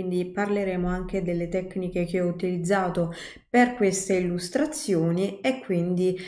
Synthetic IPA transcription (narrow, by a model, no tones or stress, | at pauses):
nd̪iparleɾeːmoaŋk̟ed̪elːet̪ɛkːnikek̟eɔut̪ilid̪zːaːt̪o | perkwest̪eilːust̪ɾat̪sːjoːniekːwind̪i